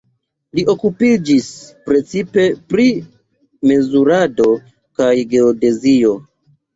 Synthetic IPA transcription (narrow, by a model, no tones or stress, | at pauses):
liʔo̞kupid͡ʒispɾe̞t͡sipe̞pɾi | me̞zuɾado̞ | kajɡe̞ode̞zio̞